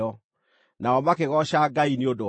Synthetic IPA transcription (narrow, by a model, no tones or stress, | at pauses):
ɔ | naɔmakeɣɔʃaɡainiodo